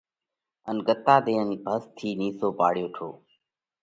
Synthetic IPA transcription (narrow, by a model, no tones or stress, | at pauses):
ənɡət̪aːd̪eːənbʱəst̪ʰiːniːsoːpaːɽjoːʈʰoː